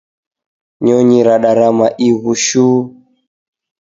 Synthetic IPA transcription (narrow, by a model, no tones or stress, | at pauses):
ɲɔɲiɾaɗaɾamaʔiɣuʃuː